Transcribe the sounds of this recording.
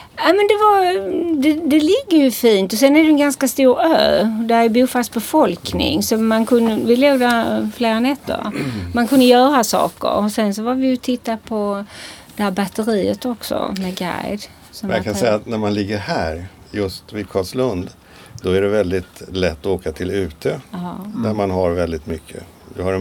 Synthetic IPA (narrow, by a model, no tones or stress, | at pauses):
amɛnd̪ɛvaɾd̪ɛd̪ɛlɪɡːəɾjɵfiːnt̪ɔsɛnæɾɖɛnɡanskast̪uːɾø̰ːd̪æɾjbuːfasbɛfɔlknɪ̰ŋsɔmankʰɵnd̪əvɪleːɡd̪æfleːɾanɛt̪ʰːə̰ɾmankʰɵnd̪əjœːɾasɑ̰ːkə̰ɾɔsɛnsɔvavɪjɵt̪ʰɪt̪ːapʰɔd̪̥ɛhæːɾbat̪əɾiːət̪ɔksɔ̰mɛɡa̰jd̪ | sɔmɛjakʰansɛjːat̪næɾmanlɪɡːəɾhæːɾ | jɵst̪vɪkʰɑːslɵnd̪ | d̪̥ɔæɖɛvɛld̪ɪt̪lɛt̪ːɔoːkat̪ʰɪlʉ̟ːt̪ʰeːɑːd̪æɾmanɦaɾvɛld̪ɪt̪mʏkʰːə̰ | d̪ɛhaɾɛ